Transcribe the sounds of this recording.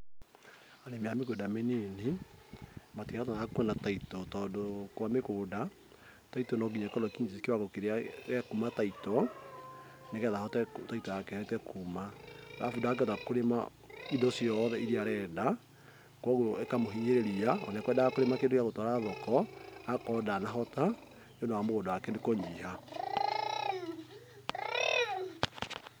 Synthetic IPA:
anemeamekedamenene | matiataakwɛnataitɔtɔdokwamekoːda | taitɔnɔɡiɲakɔlɔkiɲkewaɣokeɾeaɣɛkumataitɔ | nekɛðahɔtɛtaitɔjakɛhɛɛtɛkʰumaɣa̰fudaak̬ɛɔtakoɾema | idɔsjɔðɛiɾiaɾɛda | kwɔɣooekamoɦiɲeɾeɾiaɔ̰nɛkwɛdaakoɾemakedokjaɣotɔɾaðɔkɔakɔdanaɦɔta | jondowamoɣodoakɛnekɔɲiha

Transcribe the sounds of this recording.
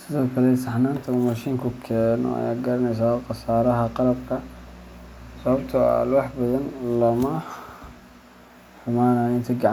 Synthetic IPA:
sɪðɐkʰɐlɛsaħnaːnt̪ʰɐmaʃiːŋkʰʊkʰɛːnɔ̰a̰ja̰ɡɐɾɐnɛjs̬aqɑsaːɾɐɦɐqɑlɐbkʰɐ | sɐβɐbt̪ʰɐ̰lwɑħbɐðɐnlɐmɐ | ħʊmaːnaːjɪnt̪ʰɪɡɑʕ

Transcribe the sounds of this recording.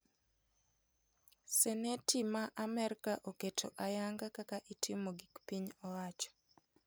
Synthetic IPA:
sɛnetimaʔamɛɾkaʔoketʰoʔajaŋɡakakaʔitʰɪmoɡikpiɲɔwat͡ʃɔ̥

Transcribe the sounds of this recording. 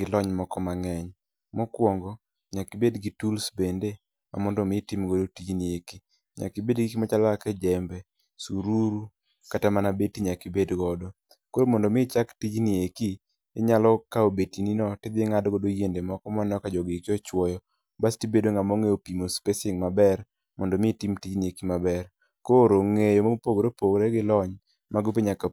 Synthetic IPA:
ɡɪlɔɲmɔkɔmaŋɛɲ | mɔkwɔŋɡɔ | ɲakibedɡitulsbende | ma̰mɔndɔmɪtimɡodotid͡ʒnieki | ɲa̰kibedɡikimat͡ʃalakɛd͡ʒɛmbɛ | suɾuɾu | katamanabetiɲakibedɡɔdɔ | koɾomɔndɔmɪt͡ʃaktid͡ʒnieki | ɪɲalɔkaobetininɔtɪd̪ɪŋadɡodojendemɔkɔmɔnɔkad͡ʒɔɡikiɔt͡ʃwɔjɔ | bastibedoŋamɔŋeopimospesɪŋmabɛr | mɔndomɪtimtid͡ʒniekimabɛr | koɾoŋejomopoɡoɾopoɡɾɛɡɪlɔɲ | maɡopiɲaka

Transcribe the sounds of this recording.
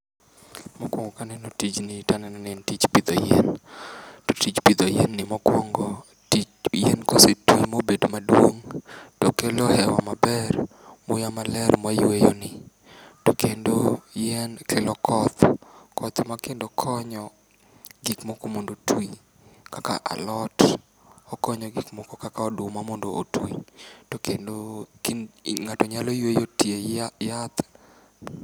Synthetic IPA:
mɔkwɔŋɡɔkanɛnotid͡ʒnɪtananɛnɛntit͡ʃpid̪ɔjɛn | totit͡ʃpid̪ɔjɛnːɪmɔkwɔŋɡɔ | ti | jɛnkosetuimobedomadwoŋtɔkɛlɔhɛwamabɛr | mʊjamalɛɾmajwejonɪ | tokendojɛnkelɔkʰɔt̪kʰɔt̪makendokʰɔɲɔ | ɡikmokomondotwi | kaka̰ʔa̰lɔt | ɔkɔɲɔɡikmɔkɔkakaɔdʊmamɔndo̰ʔotwitokendo | ŋatɔɲalojwejotjejat̪

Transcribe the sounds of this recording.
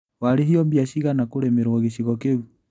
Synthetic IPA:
waɾeɦiɔmbiaʃiɣanakoɾemeɾwɔɣeʃiɣɔkeu

